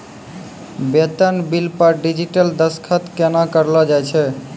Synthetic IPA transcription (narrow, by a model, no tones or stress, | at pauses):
bet̪anbilpaɾɖid͡ʑiʈəld̪əskʰat̪kenakəɾlɔd͡ʒajt͡ʃʰe